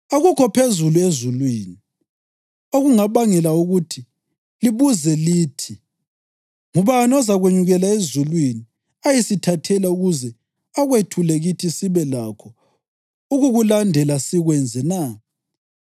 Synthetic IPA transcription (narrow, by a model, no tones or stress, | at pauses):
oɣukʰɔpʰezuluezulwiːni | oɣuŋaβaŋɛlauɣutʰi | liβuzɛliːtʰi | ŋuβaniɔzaɣweɲuɣɛlaezulwini | ajisitʰatʰɛlauɣuzɛ | aɣwetʰulɛɣitʰisiβɛlakʰɔ | uɣuɣulandʱɛlasiɣwɛnd͡zʱɛna